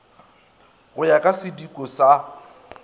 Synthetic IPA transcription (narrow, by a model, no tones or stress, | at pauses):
ɣʊjakʼasɪdikʼɔsa